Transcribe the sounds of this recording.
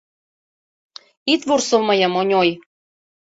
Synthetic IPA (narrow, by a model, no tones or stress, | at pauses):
it̪vorsolmɤjɤ̆monʲoj